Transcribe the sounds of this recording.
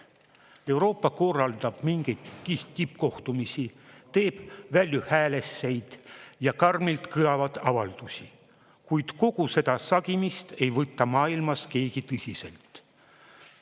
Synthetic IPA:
e̞wɾo̞ːpːˑɑko̞rːɑld̪̥ɑb̥miŋɡ̥e̞jd̪̥k̪iht̪t̪ipːko̞ht̪umisit̪e̞ːb̥vælʲjuhæːle̞sːe̞jd̪̥jɑkɑrmilt̪kɯlɑvɑd̪̥ɑvɑld̪̥usʲi | kujd̪̥ko̞ɡ̥use̞d̪̥ɑsɑɡ̥imist̪e̞jvɤt̪ːɑmɑːilmɑske̞ːɡ̥it̪ɤsʲise̞̰lt̪

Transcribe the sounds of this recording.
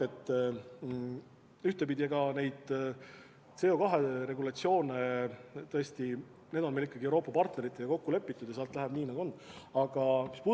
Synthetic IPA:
et̪ː | yht̪e̞pid̪̥ʲieɡ̥ɑne̞jd̪̥ | t̪se̞ːo̞kɑɦe̞ɾe̞ɡulɑt̪sio̞ːnet̪ɤest̪i | ned̪̥o̞nmelikːˑɑɡ̥iewɾo̞ːpːˑɑpɑrt̪ne̞ɾit̪ːˑejɑko̞kːule̞pːˑit̪ːˑud̪̥jɑsɑːlt̪ːˑlæɦæb̥niːnɑɡuo̞nːɑɡ̥ɑmispu

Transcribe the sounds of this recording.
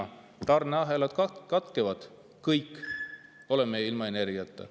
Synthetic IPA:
t̪ɑrneɑɦelɑd̪̥kɑkɑt̪kevɑd̪̥ | kɤjkː | o̞lemːejilmɑene̞rɡiɑt̪ːˑɑ̰

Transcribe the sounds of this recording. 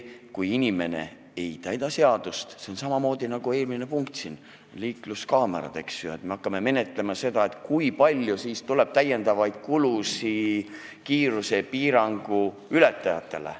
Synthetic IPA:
kujinʲime̞ne̞̰ | e̞jt̪æjd̪̥ɑse̞ɑd̪̥ust̪se̞o̞nsɑmɑmo̞ːd̪̥inɑɡ̥ue̞ːlmine̞puŋk̚t̪sin | liːkluskɑːmḛɾɑ̰d̪̥e̞ksjoet̪me̞ɑkːˑɑme̞me̞net̪ˑle̞mɑse̞d̪ɑe̞t̪ˑkujpɑlʲjusiːst̪ule̞b̥̚t̪æjːe̞nd̪̥ɑvɑjd̪̥̚kulusi | kiːɾuse̞piːɾɑŋɡ̥u | yle̞t̪ːˑɑjɑ̰t̪ːˑe̞lḛ

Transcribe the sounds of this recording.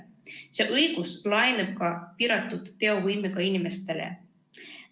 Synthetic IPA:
se̞ːʔɤjɡ̥uslɑjneb̥̚kɑpiɾɑt̪ːˑud̪̥ːe̞o̞vɯjmikɑinime̞st̪e̞lḛ

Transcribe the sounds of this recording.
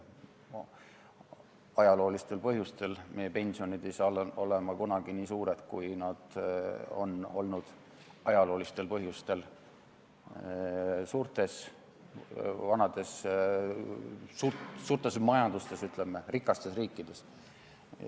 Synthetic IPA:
ɑjɑlo̞ːlist̪e̞lpɤɦjust̪e̞lmʔe̞jepe̞nʲsio̞nid̪ejsɑlole̞mɑkunɑɡ̥iniːsuːɾe̞t̪kujnɑd̪̥o̞̰no̞lnud̪̥ | ʔɑjɑlo̞ːlist̪e̞lpɤɦjust̪e̞l | suːɾt̪ˑe̞s | vɑnɑd̪̥e̞s | suːsuːrt̪ˑe̞smɑjɑnd̪̥ust̪e̞syt̪ˑlemːerikːˑɑst̪e̞sriːkːˑid̪̥e̞s

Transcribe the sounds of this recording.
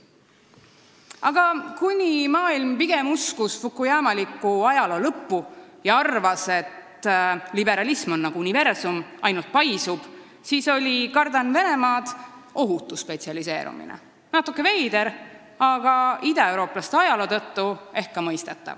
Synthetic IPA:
ɑɡ̥ɑkunʲimɑːilmpiɡ̥e̞muskusfukːˑujæːmɑlikˑːuɑjɑlo̞ːlɤpːujɑɑrvɑse̞t̪ːlibe̞ɾɑlismonːɑɡ̥uunive̞rsumɑ̰jnult̪̚pɑjsub̥ | siːso̞lʲikɑrd̪ɑnve̞ne̞mɑːd̪̥ | o̞ɦut̪ːˑusːpe̞t̪siɑlise̞ːɾṵmḭnḛ | nɑt̪ːˑukːˑeve̞jd̪̥e̞ɾ | ɑɡ̥ɑid̪̥ɑe̞wɾo̞ːplɑst̪eɑjɑlo̞t̪ɤt̪ːue̞hkkːɑmɤjst̪et̪ːˑɑ̰v

